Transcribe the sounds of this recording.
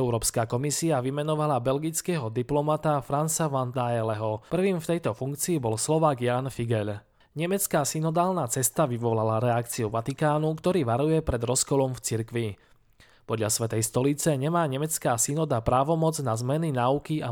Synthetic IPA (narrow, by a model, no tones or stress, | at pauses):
ɛʊɾɔːpskaːkɔmisiaʋimɛnɔʋalabɛlɡit͡skɛɦɔd̪iplɔmat̪afɾansaʋand̪aɛlɛɦɔpr̩ʋiːmft̪ɛjt̪ɔfuŋkt͡siːbɔlslɔʋaːɡjaːnfiɡɛʎ | ɲɛmɛt͡skaːsinɔd̪aːlnaːt͡sɛst̪aʋiʋɔlalaɾɛakt͡siuʋat̪ikaːnukt̪ɔɾiːʋaɾujɛpɾɛd̪ɾɔskɔlɔmft͡siɾkʋi | pɔd̪ʎasʋɛt̪ɛjst̪ɔlit͡sɛɲɛmaːɲɛmɛt͡skaːsinɔd̪apɾaːʋɔmɔd͡znazmɛninaːukia